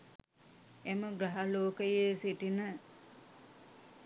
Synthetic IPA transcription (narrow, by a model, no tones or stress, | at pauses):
eməɡɾaɦaloːkəjesiʈinə